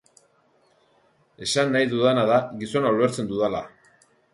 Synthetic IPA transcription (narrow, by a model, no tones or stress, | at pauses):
e̞sanːajðuðanaðaɣiso̞nauɾe̞ɾt͡se̞nd̪uðala